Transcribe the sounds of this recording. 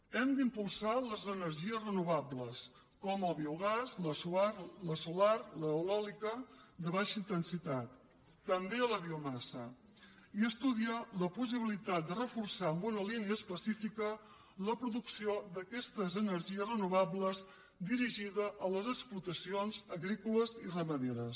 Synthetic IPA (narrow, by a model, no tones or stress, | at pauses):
ɛmd̪impulˠsaləzənəɾʒiəzrənuβ̞abləs | kɔməlˠβiuɣ̞azləsuarləsularləwlɔlikəd̪əβaʃəint̪ənsit̪at̪ː | əmbeələβiumasə̰ | iəst̪uðialəpus̬iβ̞ilit̪at̪̚d̪ərəfursaəmbunəliniəːspəsifikə | ləpɾuðuksiod̪əkɛst̪əzənəɾʒiəzrənuβabləz | d̪iɾiʒiðəʔːləzəksplut̪əsionzəɣɾikuləzirəməðeɾəs